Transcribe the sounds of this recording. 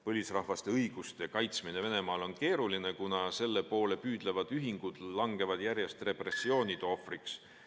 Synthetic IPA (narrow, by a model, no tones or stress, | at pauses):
pɤlʲisrɑhvɑst̪e̞ɤjɡ̥ust̪ekɑjt̪smine̞ve̞ne̞mɑːlo̞nke̞ːɾuline̞kunɑse̞lːe̞po̞ːle̞pyːd̪̥le̞vɑd̪̥yɦiŋɡ̥ud̪̥lɑŋɡe̞vɑd̪̥jæɾje̞st̪re̞pre̞sːio̞ːnʲid̪̥o̞friks